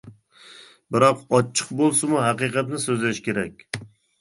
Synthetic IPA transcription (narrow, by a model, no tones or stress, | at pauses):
bɪɾɒqɒt͡ʃʰːɨ̥qbolˠsɪmuɦæqɨqɑt̪nɪsøzlæʃkʲʰeɾɛkʲ